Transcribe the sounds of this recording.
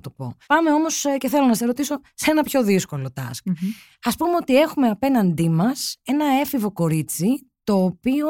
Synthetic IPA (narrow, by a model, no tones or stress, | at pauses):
t̪opo̞̰pɐme̞o̞mo̞sce̞θe̞lo̞nɐseɾo̞t̪iso̞se̞nɐpço̞ðisko̞lo̞t̪ɐ̰sk | ɐspumeot̪ie̞xume̞ɐpe̞nɐnd̪imɐse̞nɐe̞fivo̞ko̞ɾit͡sit̪o̞ːpio